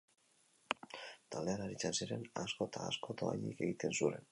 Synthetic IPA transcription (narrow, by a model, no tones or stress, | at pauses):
t̪ald̪e̞aɾaɾit͡sansiɾe̞nasko̞t̪ʰaːsko̞t̪o̞a̰jɲike̞ɣit̪e̞nsuɾe̞n